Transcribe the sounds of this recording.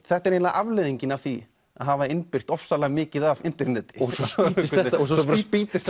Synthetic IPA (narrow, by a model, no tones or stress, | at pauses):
θɛht̪aɾeːnlaða̰ʔavlɪðiɲcɪnavθi | a̰ðɦavaɪnpɪr̥t̪ɔfsalaɣmɪːcɪðavɪn̥t̪ɪɾnɛːt̪ɪ̥ɔsɪst̪ɛt̪ɔs̬ɔɔspɾpit̪ɪst̪